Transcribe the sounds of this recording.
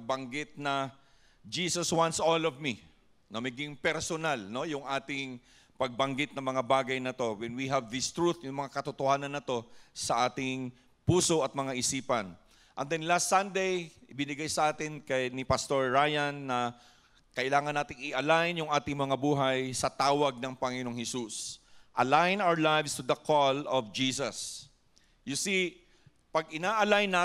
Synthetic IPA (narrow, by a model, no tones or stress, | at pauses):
ɡ̚bɐŋɡɪt̪̚nɐ | d͡ʒiːsoswãnt̪solovmi | nɐmɐɡɪŋpɛɾsonalno̞jʊŋʔaːt̪ɪŋ | pɐɡ̚bɐŋɡɪt̪̚nɐŋmɐŋabaːɡɐjnɐt̪o̞wɛnwiɦɐvd̪ɪst̪ɹut̪jʊŋmɐŋakɐt̪ʊt̪ohaːnɐnːɐt̪o̞sɐʔaːt̪ɪŋ | puːso̞ʔɐt̪̚mɐŋaʔɪsiːpɐn | ʔɐnd̪ɛnlast̪sɐnd̪ejʔɪbɪnɪɡajsɐʔaːt̪ɪnkɐjnɪpɐst̪oɹːajɐnːɐ | kɐʔɪlaːŋɐnːaːt̪ɪŋɪʔɐlajnjʊŋʔaːt̪ɪŋmɐŋabuːɦɐjsɐt̪aːwɐɡ̚nɐŋpɐŋɪno̞ŋhɛsusʔɐlajnawəɹlajvst̪ud̪ɐkʰɔlɔvd͡ʒiːsɐs | jʊsi | pɐɡ̚ɪnaːʔɐlajna